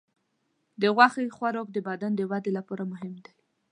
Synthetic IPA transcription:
d̪əɣwaxexwaɾok̚d̪əbad̪and̪əwad̪elapɑɾamʊɦɪmd̪aj

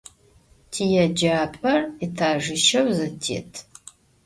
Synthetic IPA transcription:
tʰijɛd͡ʒaːpʼɐritʰaːʒɪʃɐwzɨtʰḛːtʰ

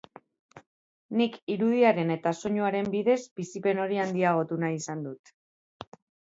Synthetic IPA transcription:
nikiɾuðiaɾe̞ne̞t̪aso̞ɲuaɾe̞mbiðe̞zbisipe̞no̞ɾiand̪iaɣ̞o̞t̪unaisand̪ut̪

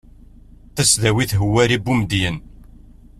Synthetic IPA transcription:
θæsðæwiθɦəwːæɾibːumd̪jən

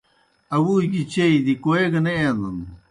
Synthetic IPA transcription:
ɐwuɡit͡ɕeid̪ikoeɡɐneend̪ɐn

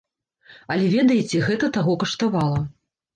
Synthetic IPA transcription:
ɐlʲɛvʲɛd̪ɐjit͡sʲɛɣɛt̪ɐt̪aɣɔkɐʂt̪avalˠɐ

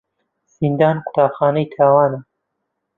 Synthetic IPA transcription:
z̥ind̪aːnkʰʊ̥t̪ɑːxɑːnɐjt̪ʰaːwɑːnɐ

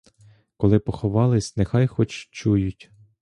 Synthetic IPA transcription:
kɔlˠɪpɔxɔʋɑlˠɪsʲnexɑjxɔt͡ʃt͡ʃujʊtʲ

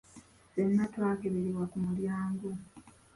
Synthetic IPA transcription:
senːatwaːkeβeɾiβwakumuljaːŋɡo

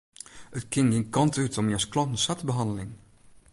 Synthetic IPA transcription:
ətkɪŋɡinkɑntytɔmjɛsklɔntn̩satəbəɦɑndəlɪŋ

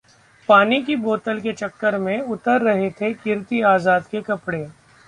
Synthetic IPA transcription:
paːnikiboːt̪əlket͡ʃɐkːəɾmẽʊt̪əɾːɐɦet̪ʰekɪɾt̪iaːzaːd̪kekɐpɽe

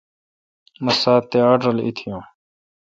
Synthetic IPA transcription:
məsaːt̪ːeaːɖɾɐlḭt̪ʰijõː

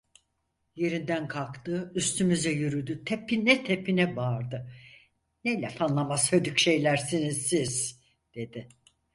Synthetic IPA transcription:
je̞ɾind̪ænkʰalˠkt̪ɯːyst̪ʰymyzɛjyɾyd̪yt̪ʰepʰinːɛt̪ʰepʰinɛbaːɾd̪ɯ | nejlʲɛfanlˠamashød̪ycʃe̞jlʲæɾsinizsiz̥ | d̪̥e̞d̪ɪ

